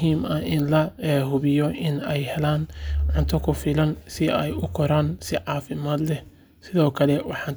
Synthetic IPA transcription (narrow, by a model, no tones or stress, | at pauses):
ɦiːmɐɪnlɐɛɦʊβɪjɔʔɪnɛjhɛlaːnʕʊnt̪ʰɔkʰʊfɪlɐnsɪɛjʊkʰɔɾaːnsɪʕɑːfɪmaːd̪lɛh | sɪðɔːkʰɐlɛwɑħɑn